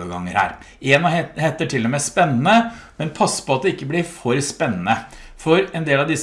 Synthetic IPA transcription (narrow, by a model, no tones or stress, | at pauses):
əɡɑ̰ŋːəɾhæ̰ːɾ | eːnhɛt̪ːəʈʰɪlːɔmɛspɛnːn̩əmɛnpʰɑsːə̥pɔɑt̪̚d̪ɛɪkːəblɪɾfɔɾspɛnːənə | fɔɾɛnd̪eːlɑʋd̪ɪs